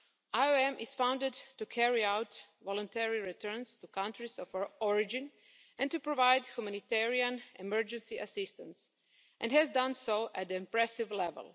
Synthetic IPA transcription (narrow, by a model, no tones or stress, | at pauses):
ajoɛ̃mʔɪz̥fãw̃ndɪdtukʰɛɹiawtʋɔlˠɔ̃ntɛɹiɹitʰɜ˞nst̪ukãntɾisɔfɔɹɪd͡ʒɪ̃n | ɛ̃ntupɾoʋajdçumanit̪ɛɹiãnɛmɛɹd͡ʒɛ̃nsiʔasɪst̪ãns | ʔɛ̃ndhɛzdãnsoʊʔɛt̚d̪ĩmpɹɛsɪʋlɛʋɛ̰lˠ